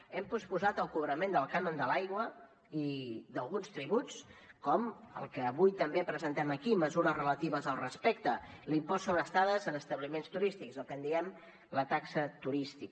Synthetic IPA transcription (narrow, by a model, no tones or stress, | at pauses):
ɛmpuspuzat̪əlˠkuβɾəmend̪əlˠkanond̪əlajɣwə | iðəlˠɣunst̪ɾiβut͡skɔmə̰lˠkəːβujt̪əmbepɾəzənt̪ɛməkiməzuɾəzrələt̪iβəzəlˠrəspɛkt̪əlimpɔsːonəst̪aðəzənəst̪əβlimenst̪uɾist̪ikzəlˠkənd̪iɛm | lət̪aksət̪uɾist̪ik